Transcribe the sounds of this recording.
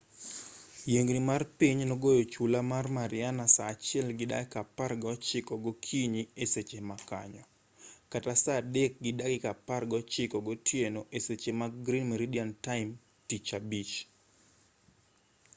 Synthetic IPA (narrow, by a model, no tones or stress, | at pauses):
jeŋɡnimarpiɲnoɡojot͡ʃulamarmaɾɪanasaːt͡ʃɪɛlɡɪda̰ɡɪkaparɡɔt͡ʃɪkɔɡɔkʰiɲieset͡ʃemaka̰ɲɔ | katasadɛk̚ɡɪdaɡɪkaparɡɔt͡ʃɪkɔɡɔtʰjenoʔeset͡ʃemaɡɾinmeɾidiantaɪm | tit͡ʃabit͡ʃ